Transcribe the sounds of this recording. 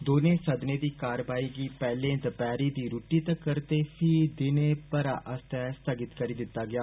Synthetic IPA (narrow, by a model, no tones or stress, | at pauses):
d̪oːnẽːsəd̪neːd̪iːkaːɾʋaːiːɡiːpɛːlẽːd̪əpɛːɾiːd̪iːɾuːʈiːt̪əkːəɾt̪eːpʰiːd̪ɪnẽːpəɾa̰ːʔəst̪ɛːst̪əɡɪt̪kəɾiːd̪ɪt̪ːaːɡɪaː